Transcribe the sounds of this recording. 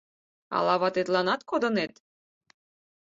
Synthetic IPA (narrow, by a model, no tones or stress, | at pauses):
ɑ̰lɑβɑt̪et̪lɑnɑt̪kod̪ɤ̆net̪